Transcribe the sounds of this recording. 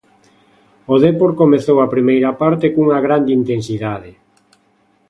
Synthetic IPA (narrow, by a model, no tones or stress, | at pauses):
oðɛpoɾkomeθowɐpɾimejɾɐpaɾt̪ekuŋaɣɾand̪eint̪ensiðaðɪ